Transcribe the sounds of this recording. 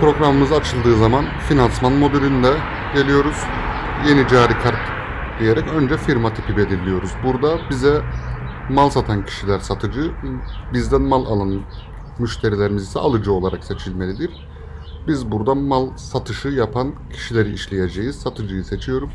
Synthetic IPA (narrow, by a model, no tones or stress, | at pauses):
pɾo̞ɡɾamɯmɯzaat͡ʃʰɯlˠd̪ɯːzamanfinansmanmo̞d̪elʲynd̪ɛ | ɟe̞lʲijo̞ɾuz̥ | je̞nid͡ʒaːɾicʰaɾt̪ | d̪ije̞ɾɛcø̞nd͡ʒɛfiɾmat̪ʰi̥pʰibe̞lʲiɾlʲijo̞ɾuzbuɾd̪abizɛ | malˠsat̪ʰancʰi̥ʃilʲæɾsat̪ʰɯd͡ʒɯbizd̪ænmalˠa̰lˠan | myʃt̪ʰe̞ɾilʲeɾimizisɛ̰alˠɯd͡ʒɯo̞lˠaɾakse̞t͡ʃʰilʲme̞lʲid̪iɾ̥ | bizbuɾd̪amalˠsat̪ʰɯʃɯjapʰancʰi̥ʃilʲe̞ɾiiʃlʲeje̞d͡ʒe̞jiz̥sat̪ʰɯd͡ʒɯjɯse̞t͡ʃʰijo̞ɾuz